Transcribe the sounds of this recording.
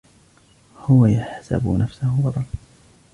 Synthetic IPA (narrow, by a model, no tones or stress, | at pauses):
hʊwajaħsa̰bnafsahʊbˤɑd̪ˤɑl